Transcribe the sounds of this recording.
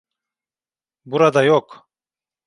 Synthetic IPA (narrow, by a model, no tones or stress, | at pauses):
buɾad̪ɑjok